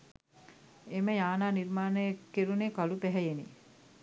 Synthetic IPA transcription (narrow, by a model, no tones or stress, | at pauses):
eməjaːnaːniɾmaːnəekːeɾuneːkalupæɦɛjenḭ